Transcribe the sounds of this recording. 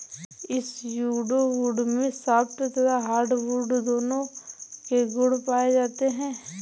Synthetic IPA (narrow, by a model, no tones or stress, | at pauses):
ɪsjuːɖoʋuːɖmẽsaːbt̪ot̪oːd̪aɦaːɾɖʋuːɖd̪oːnõkeɡʊɽpaːed͡ʒaːt̪eɦɛ̃ː